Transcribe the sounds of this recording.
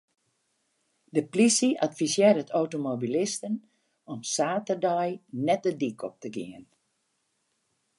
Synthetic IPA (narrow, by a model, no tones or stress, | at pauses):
dəplisiʔatfisjeːrdətowtomobilɪstən | ɔmsaːtərdɔjnɛt̚dədikʰɔp̚təɡiən